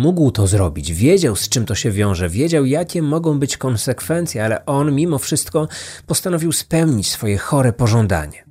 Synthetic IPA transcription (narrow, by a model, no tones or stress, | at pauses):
muɡwt̪ɔzɾɔbʲid͡ʑvʲjed͡ʑawst͡ʂɘmt̪ɔɕɛvʲjɔ̃w̃ʐɛvʲjed͡ʑawjakʲɛmɔɡɔ̃w̃bɘt͡ɕkɔnsɛkfɛnt̪sʲjɛalɛ̰ʔɔnmʲimɔfʂɘst̪kɔpɔst̪anɔvʲiwspɛwɲit͡ɕsfɔjɛxɔɾɛpɔʐɔnd̪a̰ɲɛ